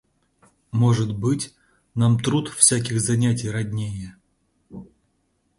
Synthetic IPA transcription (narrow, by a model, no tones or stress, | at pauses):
moʐɨt̪bɨtʲ | namt̪ɾut̪fsʲak̬ʲɪxzɐnʲætʲɪjrɐdʲnʲejə